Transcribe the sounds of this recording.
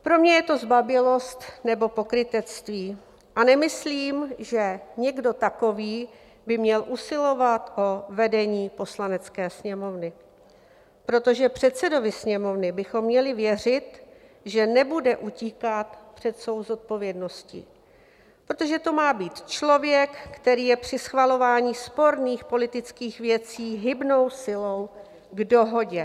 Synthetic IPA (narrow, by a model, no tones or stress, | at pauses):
pɾo̞mɲɛjɛt̪o̞zbabɪlo̞st̪nɛbo̞po̞kɾɪt̪ɛt͡st̪viː | ʔanɛmɪsliːmʒɛɲɛɡdo̞t̪ako̞viː | bɪmɲɛlʔusɪlo̞vat̪ʔo̞vɛdɛɲiːpo̞slanɛt͡skɛːsɲɛmo̞vnɪ | pɾo̞t̪o̞ʒɛpr̝̥ɛt̪t͡sɛdo̞vɪsɲɛmo̞vnɪbɪxo̞mːɲɛlɪvjɛr̝ɪt̪ | ʒɛnɛbudɛʔuciːkat̪pr̝̥ɛt̪svo̞wzo̞t̪̚po̞vjɛdno̞scḭ | pɾot̪o̞ʒɛt̪o̞maːbiːt̪t͡ʃlo̞vjɛkːt̪ɛɾiːjɛpr̝̥ɪsxvalo̞vaːɲiːspo̞ɾniːxpo̞lɪt̪ɪt͡skiːxvjɛt͡siːɦɪbno̞wsɪlo̞w | ɡdo̞ɦo̞ɟɛ